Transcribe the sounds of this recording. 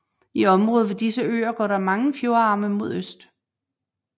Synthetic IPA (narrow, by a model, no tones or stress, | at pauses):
iɒ̽mʁɔ̽ːð̞̩ˠʋe̝d̥isəø̰ːɐɡ̥ɒ̰ːɾ̥ɑ̈mɑ̈ŋəfjo̝ɐɑ̈ːməmo̝ð̰ˠøsd̥